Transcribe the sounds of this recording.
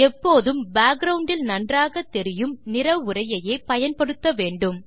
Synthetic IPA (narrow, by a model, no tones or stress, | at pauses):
ɛpːoːðɯmbaːk̚ɡɾɐʊɳɖɪlnɐndraːɣɐt̪ːɛɾɪjɯmnɪɾɐʋʊrɐjɐjeːpɐjɐnpɐɽɯt̪ːɐʋeːɳɖɯm